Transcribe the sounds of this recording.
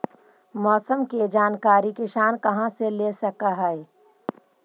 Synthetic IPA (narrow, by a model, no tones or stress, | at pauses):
mɔːsəmked͡ʒaːnkaːɾikeʃaːnkɐɦãselesɐkaɦɛe